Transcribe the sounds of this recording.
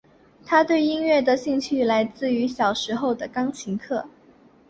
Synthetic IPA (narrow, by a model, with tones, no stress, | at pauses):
t̪ʰa˥t̪we˥˩ɪi˥nɥɛ˥˩d̪ə˨ɕi˥˧ŋt͡ɕʰy˥˩la˧˥ɪt͡sɹ̩˥˩y˧˥ɕjɑ˨˩ʊʂɻ̩˧˥xo˥˩ʊd̪ə˩kɑ˥ŋt͡ɕʰi˧˥ŋkʰɤ˥˩